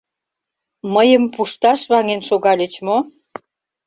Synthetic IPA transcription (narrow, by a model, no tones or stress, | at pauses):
məjəmpuʃt̪ɑʃβɑŋenʃoɣɑlʲet͡ɕmo